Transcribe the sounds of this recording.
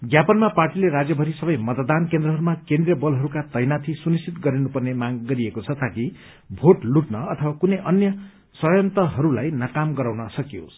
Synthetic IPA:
ɡjapʌnmaparʈileɾad͡zjʌbʱʌɾisʌbʌjmʌt̪d̪ankend̪ɾʌɦʌɾumakend̪rijʌbʌlɦʌɾukat̪ʌjnat̪ʰisunistit̪ɡʌɾinupʌrnemaɡːʌɾiekot͡sʰʌt̪aki | bʱoʈluʈnʌʌt̪ʰʌwakunʌjʔʌnjʌ | sʌjʌnt̪ʌɦʌɾulajnʌkamɡʌɾawnʌsʌkijo̰s

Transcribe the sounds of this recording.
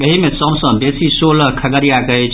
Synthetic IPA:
eɦimesəbsə̃besisoləkʰəɡəɾjakəɛt͡ʃʰ

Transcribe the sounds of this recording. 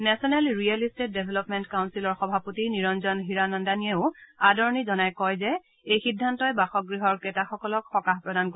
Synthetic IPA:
nɛsɔnɛlɹiɛlistet̚debʱɛlɔpmɛntkawnsilɔɹxɔbʱapotiniɹɔnzɔnɦiɹanɔndanieʊadɔɹnizɔnajkɔjzɛ | ejxidʱːantɔjbaxɔɡɹiɦɔɹketaxɔkɔlɔkxɔkaɦpɹɔdanko

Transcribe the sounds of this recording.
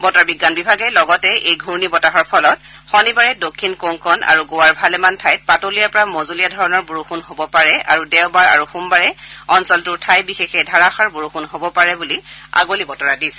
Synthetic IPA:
bɔtaɹbiɡːanbibʱaɡɛlɔɡɔtɛʔejɡʱuɹnibɔtaɦɔɹpʰɔlɔt | xɔnibaɹɛdokʰːinkoŋkɔnʔa̰ɹuɡowaɹbʱalɛmantʰajt̚patolijaɹpɔɹamozulijadʱɔɹɔnɔɹbuɹuxunɦobɔpaɹɛʔa̰ɹudɛwbaɹa̰ɹuxumbaɹɛɔnsɔltʊɹtʰajbixexɛdʱaɹaxaɹbuɹuxunɦobɔpaɹɛbulia̰ɡolibɔtɔɹadis

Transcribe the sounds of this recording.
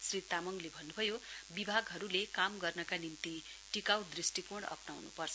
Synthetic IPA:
srit̪amʌŋlebʱʌnːubʱʌjobibʱaɡɦʌɾulekamɡʌrnʌkanint̪i | ʈikawd̪risʈikoɽ̃ʌ̰pnawnṵpʌrt͡sʰʌ

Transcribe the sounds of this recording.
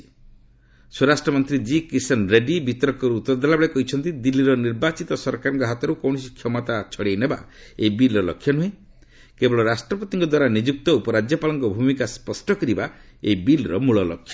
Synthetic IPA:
soɾasʈɾɔmɔnt̪ɾid͡ʒikisɔnɾeɖibit̪ɔɾɔkɔɾuːt̪ɔɾd̪alabeɭekɔɦit͡ʃʰɔnt̪id̪ilːiɾɔniɾbat͡ʃit̪ɔsɔɾkaɾɔŋkɔɦat̪ɔɾukɔwɳɔsikʰjɔmɔt̪at͡ʃʰɔɽejneba̰ | ejbilɔlɔ̰kʰːjɔnuɦẽ | kebɔɭɔɾasʈɾɔpɔt̪iŋkɔd̪waɾanid͡ʒuk̚t̪ɔupɔɾad͡ʒjɔpalɔŋkɔbʱumikaspɔsʈɔkɔɾiba | ebilɾɔmuɭɔlɔkʰːjɔ

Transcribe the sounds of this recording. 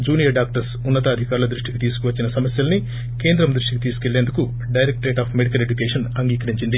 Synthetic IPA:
d͡ʒuːnijɐɖaːk̚ʈɐɾsunːɐt̪ɐːd̪ʱikaːɾulɐd̪ɾuʂʈikit̪iːsu̥kuʋɐt͡ʃːinɐsɐmɐsjɐlɐni | ke̞ːnd̪ɾɐmd̪ɾuʂʈikit̪iːsu̥ke̞ɭːeːnd̪uku | ɖɐjɾek̚ʈɾeːʈaːpʰmeɽikɐle̞d͡ʒukeːʂɐnɐŋɡiːkɐɾiɲt͡ʃind̪i

